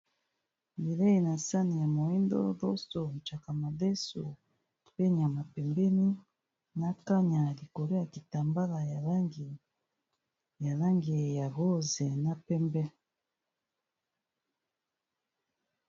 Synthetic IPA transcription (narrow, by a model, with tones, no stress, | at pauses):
bi˨lɛ˦i˨na˨sa˦ni˨ja˨mo˨i˦ndɔ˦ðɔ˦sɔ˨n˨t͡ʃa˨ka˨ma˨ðɛ˦su˨ | pɛ˦ɲ˨a˨ma˨pɛ˨mbɛ˦ni˦ | na˦ka˦ɲa˨li˨kɔ˨ɾɛ˦ja˨ki˨ta˨mba˦la˨ja˨la˦ŋɡi˨ | ja˨la˦ŋɡi˨ja˨ɣɔ˦zɛ˨na˦pɛ˦mbɛ˦